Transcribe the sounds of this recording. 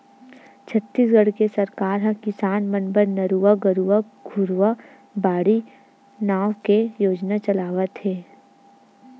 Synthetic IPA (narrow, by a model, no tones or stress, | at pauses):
t͡ʃʰət̪ːiːsɡɐɽkesɐɾkaːɾɦɐ̃kɪsaːnmə̃nbəɾnɐɾuaɡəɾua | ɡʱʊɾuʋa | baːɽi | naːwkejoːd͡ʒnat͡ʃɐlaːʋət̪ɦeː